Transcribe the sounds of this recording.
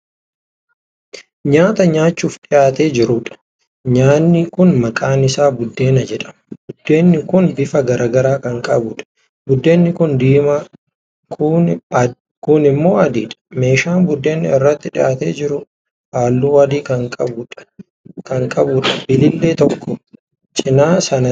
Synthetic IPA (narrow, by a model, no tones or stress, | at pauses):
ɲaːt̪ɐɲaːt͡ʃːuːfᶑɪjaːt̪e̞ːd͡ʒɪɾʊᶑɐ̥ | ɲaːnːɪkʊnmɐkʼaːnɪsaːbʊd̪ːe̞ːnɐd͡ʒɛᶑɐ̥mbʊd̪ːe̞ːnːɪkʊnbɪfɐɡɐɾʔaːɡɐɾaːkɐŋkʼɐbʊᶑɐ̥ | bʊd̪ːe̞ːnːɪkʊnd̪iːma | kʊ | kʊnɪmːo̞ːɐd̪iːᶑɐ̥me̞ːʃaːnbʊd̪ːe̞ːnːɪɪrːɐt̪ːɪᶑɪjaːt̪eːd͡ʒɪɾʊ | haːlːuːɐd̪iːkɐŋkʼɐbʊᶑɐ̥ | kɐŋkʼɐbʊᶑɐb̥ɪlɪlːe̞ːt̪ɔkʰːɔ | t͡ʃʼɪnaːsɐnɐ